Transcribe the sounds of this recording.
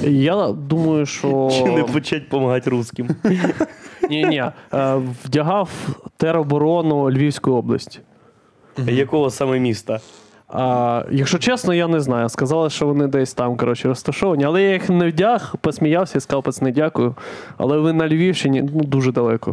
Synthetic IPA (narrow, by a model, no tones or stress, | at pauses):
jad̪umɐjʊʃt͡ʃɔnɛpɔt͡ʃat̚ʲpɔmɐɦɑtʲruskʲɪm | nʲinʲi | wdʲɐɦɑwt̪ɛɾɔbɔɾɔnʊlʲʋʲiwsʲkʊjʊɔblˠɐ̰sʲtʲi̥ | jɐkɔɦɔsamɛmʲist̪ɐ | jɐkʃt͡ʃɔt͡ʃɛsnɔjanɛznɑjʊskɐzɑlˠɪʃt͡ʃɔʋɔnɪd̪ɛsʲt̪ɑmkɔɾɔt͡ʃɪɾɔst̪ɐʃɔʋɐnʲiɐlˠɛjajixnɛwdʲaxpɔsʲmʲijɑwsʲɐiskɑwˠpɐt̪snɛdʲakʊjʊ | ɐ̰lˠɛʋɪnɐlʲʋʲiwʃt͡ʃɪnʲinud̪uʒɛd̪ɐlˠɛkɔ̰